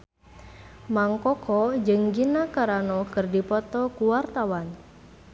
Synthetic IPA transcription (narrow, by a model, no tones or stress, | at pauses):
maŋkɔkʰɔd͡ʒəŋɡinakaɾanɔkərdipɔt̪ɔkuwart̪awan